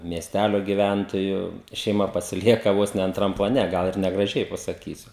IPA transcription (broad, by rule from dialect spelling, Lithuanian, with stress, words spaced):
mʲiɛsʲˈtʲælʲoː ɡʲɪˈʋʲæntoːjuː ʃʲɛɪˈmɐ pɐsʲɪˈlʲiɛkɐ ˈʋoːs nʲɛ ɐntˈrɐm plˠɐˈnʲɛ ˈɡɐlˠ ɪr nʲɛɡrɐˈʒʲɛɪ pɐsɐkʲiːsʲʊ